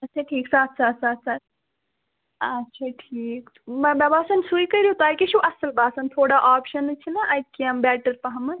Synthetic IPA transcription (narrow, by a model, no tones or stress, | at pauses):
ɐtːt͡ʃʰaʈʰiːksaːt̪ʰsaːt̪ʰsaːt̪ʰsaːt̪̚ʰ | ɐtːʃʰaʈʰiːk | bɐbabaːsɐnsuikɐɾijut̪aːjkeʃuʔɐsəlbaːsɐnt̪ʰoːɽaʔaːpʃɐnt͡ʃʰinaʔɐj̪̚kiɐmbɛːʈəɾpɐɦɐmɨ